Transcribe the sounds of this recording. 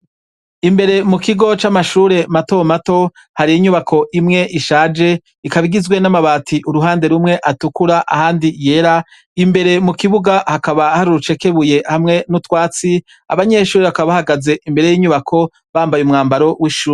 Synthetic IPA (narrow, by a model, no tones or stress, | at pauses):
imbe̞ɾe̞mukiɡo̞t͡ʃamaʃuːɾe̞mato̞mato̞ | haɾijiɲuβakʰo̞ʔimŋe̞ʔiʃaːd͡ʒe̞ | ikaβiɡizwe̞namaβaːtʰiʔuɾuɦaːnde̞ɾumŋe̞ʔatukuɾaʔa̰haːndije̞ːɾa | imbe̞ɾe̞mukiβuɡahakaβahaɾuɾut͡ʃe̞ke̞βuje̞hamŋe̞nutwaːt͡si | a̰βaɲe̞ʃuːɾeβakaβaβahaɡaze̞ʔimbe̞ɾe̞jiːɲuβakʰo̞ | βaːmbajumŋaːmbaɾo̞wiʃuːɾe